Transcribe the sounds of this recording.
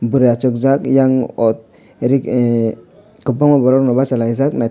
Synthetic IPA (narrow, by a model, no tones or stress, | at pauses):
buɾeat͡ʃɔkzakjaŋɔt̪̚ | ɾikɛ | kɔbɔŋɔbɔɾɔɾnɔbasalaizakna